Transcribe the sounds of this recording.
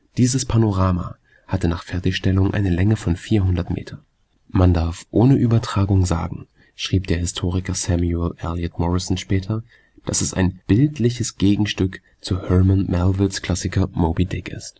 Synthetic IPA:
d̥iːzəspʰanoʁaːma̰ | hatənaːχfɛɐtɪçʃtɛlʊŋʔa̰ɪnəlɛŋəfɔnfiːɐɦʊndɐtmʔḛːtʰɐ | mandaɐfʔoːnəʔyːbɐtʁ̥aːɡʊŋza̰ːɡŋ̩ | ʃʁ̥iːp̚d̥eːɐhɪstʰoːʁ̞ɪkɐsɛmjɛlʔɛljatmɔʁɪsn̩ʃpɛːtʰɐ | d̥asɛsa̰ɪnb̥ɪltʰlɪçəsɡ̥eːɡŋ̩ʃtʏk | t͡suhœmanmʔɛlvɪlskl̥asɪkɐmoːbidɛkɪ̰st

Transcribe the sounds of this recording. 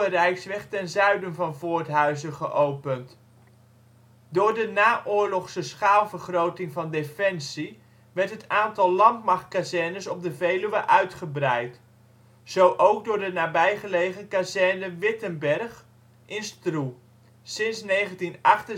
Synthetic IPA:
ərɛjksʋɛχtɛnzœɥdənvɑnvʊːɹtɦœɥzəχə̰ʔowpənt | dʊːɹdənaːʔʊːɹlɔχsəsχaːlˠvəɹχrowtɪŋvɑndefɛnsi | ʋɛɹtɦətaːntɑlˠlɑntmɑχt̚kazɛɹnəsɔb̚dəvejlyʋəʔœɥtχəbrɛjt | z̥owʔowɡ̚dʊːɹdənaːbɛjχəlejχəkazɛɹnəʋɪtənbɛrχ | ʔɪnstru | sɪnsnejχəntinɑχtə

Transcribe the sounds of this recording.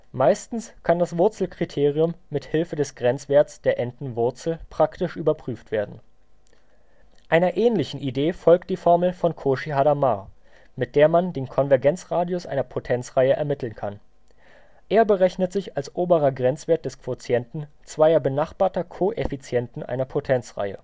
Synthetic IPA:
maɪstn̩skʰandasv̥ʊɐt͡sl̩kʁ̥itʰeːʁiʊmːɪthɪlfədɛsɡ̥ʁɛnt͡sv̥eːɐtsd̥eːɐʔɛntn̩vʊɐt͡sl̩pʁ̥aktɪʃʔyːbɐpʁ̥yːftv̥eːɐdn̩ | ʔaɪnɐʔɛːnlɪçn̩ʔideːfɔlk̚t̚d̥iːfɔɐml̩fɔnkʰoʃiɦadama | mɪt̚d̥eːɐmandeːnkʰɔnvɛɐɡɛnt͡sʁaːdiosʔa̰ɪnɐpʰotʰɛnt͡sʁ̥aɪəʔɛ̰ɐmɪtʰl̩nkʰan | ʔeːɐbəʁɛçnətz̥ɪçalsʔoːbəʁɐɡʁɛnt͡sv̥eːɐt̚d̥ɛskv̥ot͡sjɛntn̩t͡sv̥aɪɐbənaχb̥aːɐtɐkʰoːʔefit͡sjɛntn̩ʔa̰ɪnɐpʰotʰɛnt͡sʁ̥a̰ɪə̰

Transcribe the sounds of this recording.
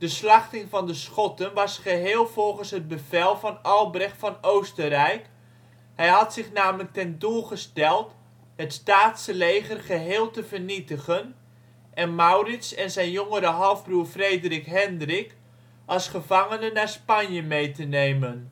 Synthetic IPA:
d̥əslɑχtɪŋvɑndəsχɔtənʋɑsχəɦɪːlˠvɔlˠχənsɦəd̚bəvɛlˠvɑnɑlˠbrɛχtfɑnowstərɛjk | hɛjɦɑtsɪχnaːmələk̚tɛndulˠχəstɛlˠt | ɦətstaːtsəlejχərχəɦeːlˠtəvərnitəχən | ʔɛnmawrɪtsɛnzɛjnjoŋəɾəɦɑlˠvbruːɹfrejdərɪkɦɛndrɪk | ʔɑlˠsχəvɑŋənənaːɹspɑnjəmejtənejmən

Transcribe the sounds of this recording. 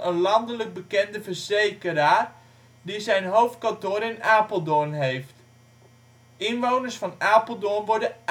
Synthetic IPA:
ənlɑndələɡ̚bəkɛndəvəɹz̥ejkəɾaː | dizɛjnɦowft̚kɑntoːɾɪnaːpəlˠdɔnɦejft | ɪnʋownərsfɑnaːpəlˠdɔnʋɔɹdə

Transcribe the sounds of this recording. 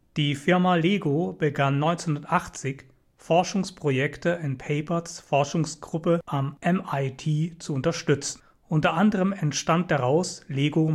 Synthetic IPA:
d̥iːfɪɐmaleːɡob̥əɡanːɔʏnt͡senhʊndɐtʔaχt͡sɪç | fɔɐʃʊŋspʁ̥ojɛktəɪnpʰɛɪpɐsfɔɐʃʊŋsɡ̥ʁʊpəʔamʔɛmaɪtʰiːt͡suʊntɐʃtʏt͡sn̩ | ʔʊntɐʔandəʁ̞əmɛntʃtant̚d̥aʁaʊsleːɡo

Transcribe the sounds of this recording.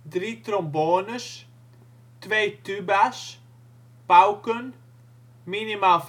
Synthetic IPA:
d̪ɾiːt̪ɾɔmboːnəs | t̪ʋeːt̪ybas | pawkən | minimalf

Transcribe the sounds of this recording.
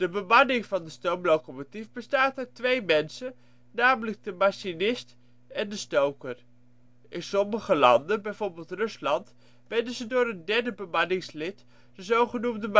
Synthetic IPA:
d̥əbəmɑnɪŋvɑndəstowmlowkomotifbəstaːtœɥtʋejmɛnsə | naːmələɡ̚dəmaʃinɪst | ɛndəstowkər | ʔɪnsɔməχəlɑ̰ndənbɛjvoːɹbɪːlˠtrɵslɑnt | ʋɛdəzədʊːɾəndɛɹdəbəmɑnɪŋslɪt | d̥əzowχənumdəm

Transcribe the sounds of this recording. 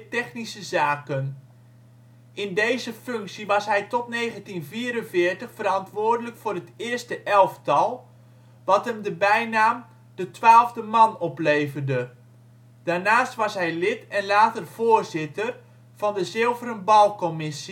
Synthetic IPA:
tɛχnisəzaːkən | ʔɪndejzəføŋksiʋɑsɦɛjtɔtnejɣəntinviːɾənvɪːərtəχfərɾɑntʋʊːrdələkfʊːrətɪərstəʔɛlˠftɑlˠ | ʋɑtɦəmdəbɛjnaːm | d̥ətʋaːlˠvdəmɑnɔpleːvərdə | d̥aːrnaːstʋɑsɦɛjlɪtɛnlaːtərv̥oːrzɪtər | v̥ɑndəzɪlˠvəɾənbɑlˠkɔmɪsi

